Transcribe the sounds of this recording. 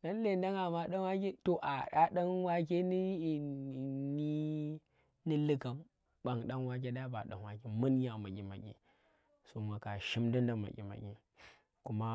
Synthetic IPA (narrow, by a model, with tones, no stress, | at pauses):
na˦n˦le˨˦da˦ŋa˨ma˨ɗa˦n˦wa˦k̬e˦to˨ʔa˨ɗa˨ɗa˦nwa˦k̬e˦ni˦˨ | ni˦ | ni˦li˦ka˨m | ɓa˨ŋɗa˦nwa˦k̬e˦ɗa˦ba˨ɗa̰˨nwa˦ki˨mu˦n˦ja˨ma˨ɡʲḭ˨ma̰˨ɡʲḭ˨ | so˨ma˨ka˨ʃi˦mdi˦nda˨ma̰˨ɡʲḭ˨ma̰˨ɡʲḭ˨ | ku˦ma˦